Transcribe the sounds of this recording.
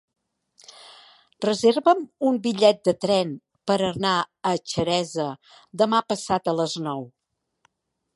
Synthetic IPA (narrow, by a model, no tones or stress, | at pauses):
rəzeɾβəmumbiʎɛt̪̚d̪ət̪ɾɛn | pəɾənaət͡ʃəɾɛzə | d̪əmapəsat̪ələznɔw